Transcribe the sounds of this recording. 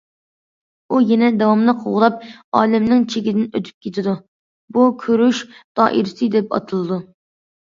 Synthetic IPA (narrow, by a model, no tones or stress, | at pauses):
ujɛnɛd̪ɛwɑmnɨqʰoʁʊlˠɑp̚ɑːlɛmnɪŋt͡ʃʰeɡʲɪd̪ɪnø̰t̪ʰy̥p̚kʲʰet̪ʰɪd̪u | bukʲʰøɾyʃd̪̥ɑ̰ːʔiɾɪsɨd̪ɛpɑ̰t̪ʰɨlˠɨd̪u